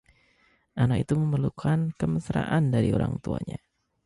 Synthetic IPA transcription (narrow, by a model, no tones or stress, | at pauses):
ʔanakit̪uməmərlukʰankəməsɾaʔandaɾioɾaŋt̪uaɲa